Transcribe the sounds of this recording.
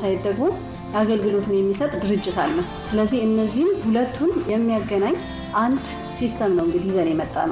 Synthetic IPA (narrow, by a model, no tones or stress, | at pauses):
sajɪd̪əɡmo | jaɡəlɡɨlo̞t̪ʰɨnjɛmːisət̪ʼd̪ɨɾɨd͡ʒːɪt̪ʰalːəh | sɨləzːihɨnːəzːihnhulət̪ʰːunjɛmːijaɡːənaɲː | ʔand̪ | sist̪ʰəmnəwɨŋɡɨd̪iizənjɛmət̪ʼːa̰nəw